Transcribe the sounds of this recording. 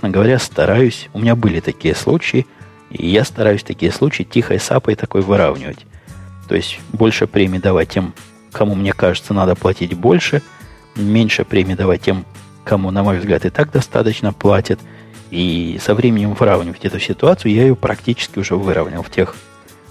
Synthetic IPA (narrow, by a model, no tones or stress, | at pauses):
e̥snəɡəvɐɾʲast̪ɐɾajʊsʲʊmʲɪnʲabɨlʲɪt̪ɐkʲijəslˠut͡ɕɪɪ | ḭjast̪ɐɾajʉsʲt̪ɐkʲijəslˠut͡ɕɪɪtʲixə̰jsa̰pəɪt̪ɐko̞jvɨɾa̰vnʲɪ̰və̰tʲt̪o̞̰ɪsʲtʲbo̞lʲʂɨpɾʲemʲɪd̪ɐvat̚ʲːe̞m | kɐmumnʲe̞kaʐɨt̪sənad̪əplˠɐtʲitʲbo̞lʲʂɨ | mʲenʲʂɨpɾʲemʲɪd̪ɐvat̚ʲːe̞m | kɐmunɐmo̞jvzɡlʲat̪ɨt̪aɡ̚d̪ɐst̪a̰t̪ət͡ɕnəplˠatʲɪt̪ | isɐvɾʲemʲɪnʲɪmvɨɾavnʲɪvətʲɛt̪ʊsʲɪt̪ʊat̪sɨjʊjaɪjopɾʔɐ̰ktʲit͡ɕɪ̥skʲɪʊʐɛvɨɾəvnʲɪ̰lˠftʲe̞x